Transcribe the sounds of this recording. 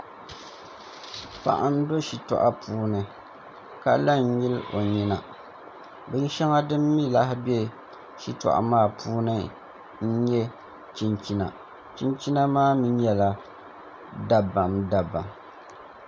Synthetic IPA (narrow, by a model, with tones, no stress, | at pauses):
pa̰˨ʔa˦n˦do˦ʃi˨tɔ̰˨ʔa˦puː˦nɨ˨ | ka˦la˦n̩˦ji˦lo˨ɲi˦na˨ | bɛ˨ji˦ʃɛ˦ŋa˦dɨ˦mːi˦la˦hɪ˦bɛ˦ | ʃi˦tɔ̰˨ʔa̰˨maː˦˨pʰuː˦nɨ˦ | n̩˦ɲɛ˦ | t͡ʃi˦nt͡ʃi˦na̰˨ | t͡ʃi˦nt͡ʃi˦na˦maː˦mi˦ɲɛ˦la˨ | da˨ba˨mda˨ba˨m